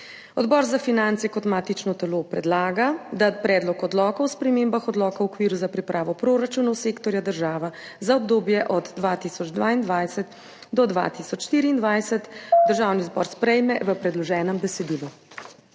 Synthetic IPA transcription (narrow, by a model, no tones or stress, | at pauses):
ɔd̪bɔːɾzafinant̪sɛkɔt̪maːt̪it͡ʃnɔt̪ɛlopɾɛd̪laːɡad̪apɾɛːd̪lɔkɔd̪lɔːkawspɾɛmeːmbaxɔd̪lɔːkawɔkʋiːɾuzapɾipɾʔaːʋɔpɾoːɾat͡ʃuːnɔwseːkt̪ɔɾjad̪əɾʒaːʋazaɔb̚d̪oːbjɛʔɔd̪d̪ʋat̪iːsɔd͡ʒd̪ʋaːind̪ʋajsət̪ | d̪ɔd̪ʋa̰t̪iːsɔt͡ʃʃt̪iːɾiːnd̪ʋajsət̪d̪əɾʒaːwnizbɔ̰ːɾspɾɛjmɛʋəpɾɛd̪lɔʒɛːnɛmbɛsɛd̪iːlu